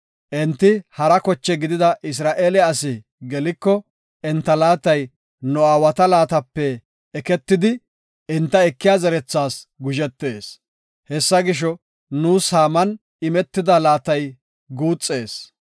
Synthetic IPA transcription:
ʔɛnt̪ːɪhɐɾɐkɔt͡ʃːɛɡɪd̪ɪd̪ɐʔɪs̬ɾaːʔeːlɛɐsɪ | ɡɛlɪkːɔ | ɛnt̪ːɐlaːt̪ɐj | nɔaːwɐt̪ɐlaːt̪ɐpːɛː | kɛt̪ːɪd̪ɪ | ɛnt̪ːɐɛkːɪjaːzɛɾɛt͡sːaːsɡʊʒɛt̪ːe̞ːs | hɛsːɐɡɪʃ̬ɔ | nuːshaːmɐn | ɪmɛt̪ːɪd̪ɐlaːt̪ɐj | ɡuːt͡sʼːe̞ːs

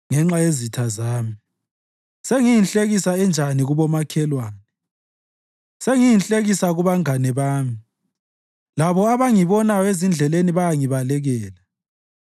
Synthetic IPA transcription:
ŋɛŋ͡ǁajezitʰazaːmi | seŋijinɬʼeɣisaɛnd͡ʒʱaniɣuβɔmakʰɛlwaːnɛ | seŋijinɬʼeɣisaɣuβaŋanɛβaːmi | laβɔaβaŋiβɔnajɔezind͡ɮʱɛleniβajaŋiβalɛɣɛːla

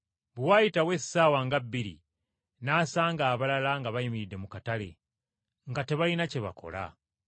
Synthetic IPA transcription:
βwajitawe̞saːwaŋɡabːiɾḭ | naːsaːŋɡaːβalalaŋɡaβajimiidːe̞mukatale̞̰ | ŋɡate̞βainaceβa̰kʰo̞̰la̰

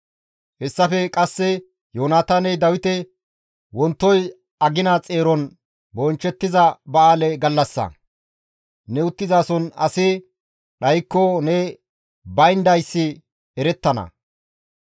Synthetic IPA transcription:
hɛsːɐfɛkʼɐsːɛ | joːnaːt̪ɐnɛd̪ɐwɪt̪ɛ | wɔnt̪ːɔj | ɐɡɪnat͡sʼeːɾɔn | bɔnt͡ʃːɛt̪ːɪzɐbɐaːlɛɡɐlːɐsːɐ̰ | nɛʊt̪ːɪzaːsɔnɐ̰sɪ | ɗɐjkːɔnɛ | bɐjnd̪ɐjsːɪ | ɛɾɛt̪ːɐnɐ̰

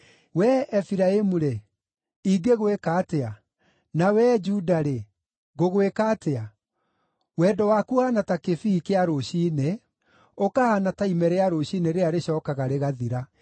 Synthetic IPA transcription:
wɛɛfiɾaemuɾe | iɡeɣwekaːtea | nawɛd͡ʒudaɾe | ɣoɣwekaːtea | wɛdɔwaːkuhanatakefiːkeaɾoɕiːne | okahanataimɛɾeaɾoɕineɾeaɾeɕɔːkaɣaɾeɣaðiɾa

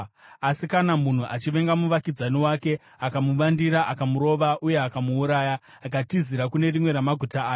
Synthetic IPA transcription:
asikanamun̤uʔat͡ʃiʋe̞ŋɡamuʋakid͡zaniwaːke̞ | akamuʋandiɾaʔakamuɾo̞ːʋaʔuje̞akamuːɾaːja | akatiziɾakune̞rimwe̞ɾamaɡʱutaːjo

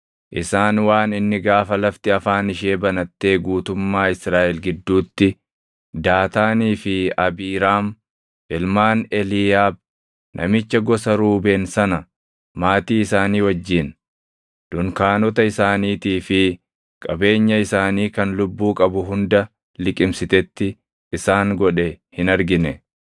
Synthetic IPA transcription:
ʔɪsaːnwaːnɪnːɪɡaːfɐlɐft̪ɪɐfaːnɪʃeːbɐnɐt̪ːe̞ːɡuːt̪ʊmːaːɪsɾaːʔɛlɡɪd̪ːuːt̪ːɪ | d̪aːt̪aːniːfɪɐbiːɾaːm | ʔɪlmaːnɛliːjaːb̚ | nʔɐ̰mɪt͡ʃːɐɡɔsɐɾuːbeːnsɐnɐ | maːt̪iːɪsaːniːwɐd͡ʒːiːn | d̪̥ʊŋkaːnɔt̪ɐɪsaːniːt̪iːfɪ | kʼɐbe̞ːɲːɐɪsaːniːkɐnlʊbːuːkʼɐbʊɦʊnd̪ɐ | lɪkʼɪmsɪt̪ɛt̪ːɪː | saːŋɡɔᶑɛhɪnɐɾɡɪnɛ

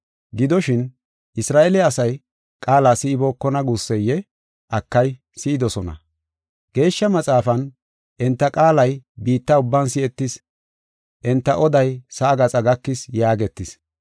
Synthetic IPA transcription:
ɡɪd̪ɔʃɪn | ʔɪsɾaːʔɛlɛɐsɐj | kʼaːlaːsɪɪbɔkːɔnɐɡusːɛjːɛ | ʔɐkːɐj | sɪɪd̪ɔsɔnɐ̰ | ɡ̥e̞ːʃːɐmɐt͡sʼaːfɐn | ʔɛnt̪ːɐkʼaːlɐjbiːt̪ːɐʊbːɐnsɪɛt̪ːɪs | ʔɛnt̪ːɐʔɔd̪ɐjsɐːɡɐt͡sʼɐɡɐkːɪsjaːɡɛt̪ːɪs

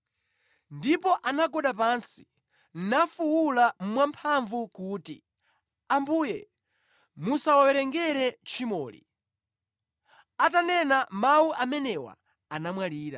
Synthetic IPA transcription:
ndipɔʔanaɡɔɗapansi̥ | n̩nafuwulam̩mwampʰaɱvukuːtḭ | ambuːjɛ | musawawɛɾɛŋɡɛɾɛt͡ʃʰimɔːlḭ | atanɛnamawuʔamɛnɛwa̰ | anamwaliːɾa̰

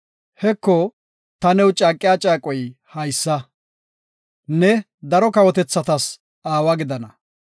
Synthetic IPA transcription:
hɛkːɔ | t̪ɐnɛwt͡ʃʼaːkʼːɪjat͡ʃʼaːkʼɔjhɐjsːɐ | nɛ | d̪ɐɾɔkɐwɔt̪ɛt͡sːɐt̪ɐs | aːwɐɡɪd̪ɐnɐ

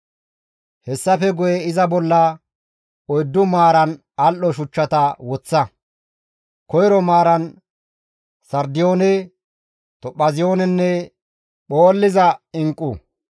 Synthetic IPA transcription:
hɛsːɐfɛɡʊjɛɪzɐbɔlːɐ | ɔjd̪ːʊmaːɾɐn | ɐlʔɔʃʊt͡ʃːɐt̪ɐwɔt͡sːɐ | kɔjɾɔmaːɾɐn | sɐɾd̪ɪjo̞ːnɛ | t̪ɔpːɐzɪjo̞ːnɛnːɛ | ɓoːlːɪzɐɪŋkʼːu

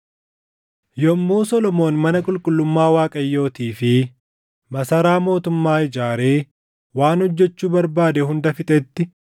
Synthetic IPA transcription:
jɔmːuːsɔlɔmo̞ːnmɐnɐkʼʊlkʼʊlːʊmːaːwaːkʼɐjːo̞ːt̪iːfɪ | mɐsɐɾaːmo̞ːt̪ʊmːaːɪd͡ʒaːɾe̞ː | waːnhɔd͡ʒːɛt͡ʃːuːbɐɾbaːd̪ɛɦʊnd̪ɐfɪt̪ʼɛt̪ːɪ

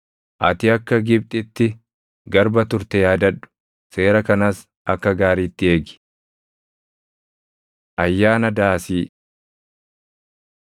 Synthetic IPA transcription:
ʔɐt̪ɪɐkːɐɡɪb̚t̪ʼɪt̪ːɪ | ɡɐɾbɐt̪ʊɾt̪ɛjaːd̪ɐᶑʊ̥ | se̞ːɾɐkɐnɐs | ɐkːɐɡaːɾiːt̪ːɪeːɡɪ̥ | ʔɐjːaːnɐd̪aːsiː

